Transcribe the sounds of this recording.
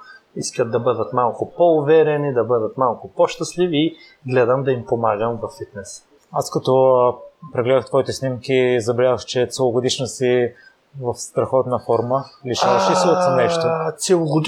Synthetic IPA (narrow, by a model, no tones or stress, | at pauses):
iskət̪d̪ɐbɤd̪ət̪malˠkʊpɔʊvɛɾɛnid̪ɐbɤd̪ət̪malˠkʊpɔʃt̪ɐsliviː | ɡlɛd̪əmd̪ɐimpomaɡəmvɐfːit̪nɛs | askɐt̪ɔ | pɾɛɡlɛd̪əxt̪vɔit̪ɛsnimkizɐbɛlʲavəxt͡ʃɛt̪sɛlˠoɡod̪iʃnəsi | vɐfst̪ɾɐxɔt̪nɐfɔɾməliʃavɐʃɛsiot̪snɛʃtt̪ot̪sɛlˠoɡʊd̪